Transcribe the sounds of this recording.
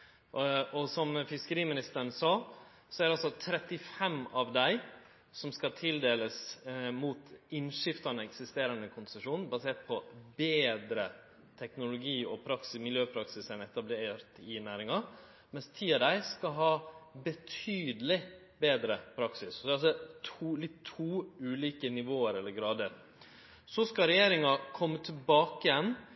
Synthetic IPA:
ʔɔsɔmfɪskəɾiːmɪnɪst̪əɾnsɑː | sɔæɾɑlsɔt̪ʰɾɛt̪ːɪfɛmɑʋd̪æɪ | sɔmskɑt̪ʰɪld̪eːləsmuːt̪ɪnʂɪft̪ɑnəɛksɪst̪eːɾɑnəkʰʊnsəʂuːnn̩bɑseːʈ̚pʰɔbeːd̪ɾə | t̪ʰɛknʊlʊɡiːɔpʰɾɑksɪsmɪljøːpʰɾɑksɪsɛnɛt̪ɑbleːɾt̪ɪnæːɾɪŋɑ | mɛnst̪ʰiːɑd̪æɪskɑɦɑːbət̪ʰyːd̪əlɪ | beːd̪ɾəpʰɾɑksɪsɔd̪ɛɑsɔt̪ʰːlɪt̪ʰːuːʉːliːkənɪʋoːəɾɛlːəɾɡɾɑːd̪əɾ | sɔskɑɾɛjeːɾɪŋɑkʰɔmːət̪ʰɪlbɑːkəjɛn

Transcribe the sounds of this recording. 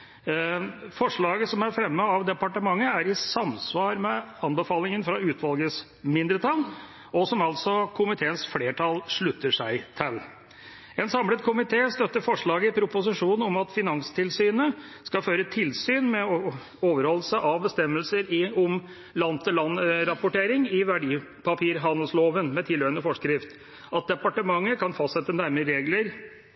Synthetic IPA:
fɔʂɭɑːɡəsɔmæɾfɾɛmːəɑʋd̪ɛpɑʈəmɑŋːəæɾɪsɑmsʋɑːɾmɛɑnbəfɑːlɪŋənfɾɑʉːt̪ʰʋɑlɡəs | mɪnd̪ɾət̪ʰɑl | ʔɔsɔmɑlt̪sɔkʰʊmɪt̪ʰeːənsfleːʈʰɑlʂɭʉt̪ːəʂæɪt̪ʰɛlː | ɛnsɑmlət̪kʰʊmɪt̪ʰeːst̪œt̪ːəɾfɔʂɭɑːɡəɪpʰɾʊpʊs̬ɪʂuːnn̩ɔmɑt̪fɪnɑŋst̪ʰɪlsyːnəskɑføːɾət̪ʰɪlsyːnmɛ | oːʋəɾhɔlːsəʔɑʋbəst̪ɛmːəlsəɾɪɔm | lɑnət̪ʰɪlɑnɾɑpʊʈeːɾɪŋɪʋæɖiː | pʰɑpʰiːɾɦɑnəlsloːʋənmɛt̪ʰɪlːœənəfɔʂkɾɪft̪ | ɑt̪̚d̪ɛpɑʈəmɑŋːəkʰɑnfɑst̪sɛt̪ːənæɾməɾeːɡləɾ

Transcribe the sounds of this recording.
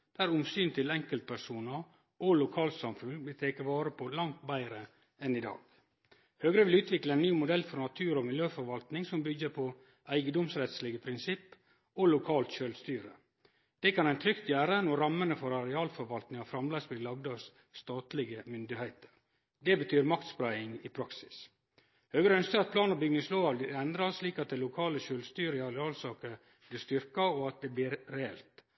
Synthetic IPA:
d̪̥æːɾʊmsyːnt̪ʰɪlɛŋkəlt̪̚pʰæʂuːnə | ɔlʊkʰɑːlt̪sɑmfʉnʋɪlt̪ʰeːkəʋɑːɾəpʰɔlɑŋt̪bæɪɾə | ɛnɪd̪ɑ̰ːɡ̥ | høːɡɾəʋɪlʉːt̪ʰʋɪkləæɪnːyːmʊd̪ɛlːfɔɾnɑt̪ʰʉːɾɔmɪljøːfɔɾʋɑlt̪nɪŋsɔmbʏɡːəpʰɔ | æɪɡəd̪ɔmsɾɛt̪slɪɡəpʰɾɪnsɪpː | ɔlʊkʰɑːlt̪ʃøːlst̪yːɾə | d̪̥ɛkʰɑnæɪnt̪ʰɾʏkt̪jæːɾənɔɾɑmːənəfɔɾɑɾɛɑːlfɔɾʋɑlt̪nɪŋɑfɾɑmleːsbɪlɑɡd̪ɑsː | t̪ɑːt̪lɪɡəmʏnd̪ɪhæɪt̪ə̥ɾ | d̪ɛbət̪ʰyːɾmɑkt̪spɾæɪɪŋɪpʰɾɑksɪ̥s | høːɡəɾœnskəɾɑt̪̚pʰlɑːnəɾbʏɡnɪsloːɑʋd̪ɪɛnd̪ɾɑsliːkɑt̪̚d̪ɛɪlʊkʰɑːləʃøːlst̪yːɾɪɑlɛɑːlsɑːkə | b̥lɪst̪ʏɾkɑɔɑt̪̚d̪ɛblɪːɾːɛɛlt̪

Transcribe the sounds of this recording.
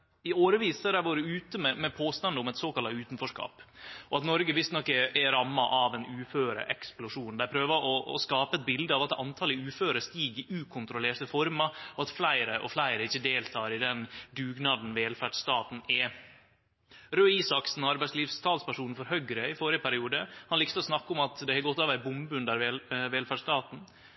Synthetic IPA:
ɪoːɾəʋiːsəɾæʋoːɾəʉːt̪əmɛmɛpʰoːst̪ɑnd̪əʊmɛt̪soːkɑlt̪ɑʉːt̪n̩fɔʂkɑ̰ːpɔɑt̪nɔɾɡəʋɪst̪nɔkːəʔɛɾɑmːɑʔɑʋɛnʉːføːɾə̰ʔɛ̰ksplʊʂuːnd̪æpʰɾøːʋəʔɔ̰ːskɑːpəɛt̪̚bɪld̪əɑʋɑt̪ɑ̰nt̪ʰɑːlɪʉːføːɾəst̪iːɡɪʔʉːkʰʊnt̪ɾʊleːʈəfɔɾmɑɔɑt̪flæɪɾəʔɔ̰flæɪɾəɪçːəd̪eːlt̪ʰɑːɾɪd̪ɛnd̪ʉːɡnɑːd̪n̩ʋeːlfæʈːt̪ɑːt̪n̩ɛ | ɾøːiːsɑksn̩ɔɑɾbæɪsliːʋst̪ʰɑːlspæʂuːnn̩fɔɾhœɡɾəɪfɔːɾɪəpʰæɾɪuːd̪əhɑnlɪkst̪ɔsnɑkːʊmɑt̪d̪ɛhɛɡɔt̪ːɑːʋæɪbʊmbʉnd̪æɾʋɛlʋeːlfæʈʂst̪ɑːt̪n̩

